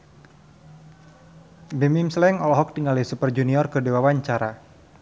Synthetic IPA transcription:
bimimslɛŋɔlɔɦɔk̚t̪iŋalisupərd͡ʒuniɔrkərdewawaɲt͡ʃaɾa

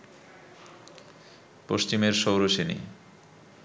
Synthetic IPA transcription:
poʃt͡ɕimeɾʃowɾoʃenḭ

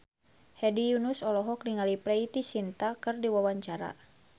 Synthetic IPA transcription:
hɛdijunusɔlɔɦɔk̚niŋalipɾɛit̪isint̪akɨrdiwawaɲt͡ʃaɾa̰

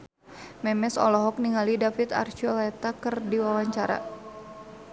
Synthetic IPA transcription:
mɛmɛsɔ̰lɔɦɔk̚niŋalidafit̪a̰rt͡ʃiɔlɛt̪akɨrdiwawaɲt͡ʃaɾa̰

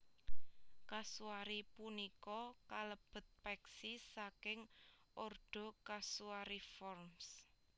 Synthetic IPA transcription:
kasuaɾipunikɔkaləb̥ə̤t̪̚pɛksisakɪŋ | orɖ̪̥ɔ̤kasuaɾifɔrms

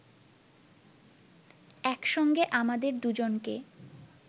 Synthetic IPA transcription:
ɛkʃɔŋɡeʔamad̪eɾd̪ud͡ʑonke

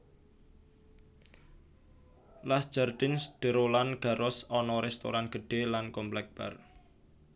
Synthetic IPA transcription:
lasd̥d͡ʒ̥ard̪̥ɪnsd̪̥ə̤ɾolanɡ̥a̤ɾʊsɔnɔɾɛst̪o̰ɾanɡ̥ə̤ɖ̥e̤lankɔmplɛk̚b̥a̰r

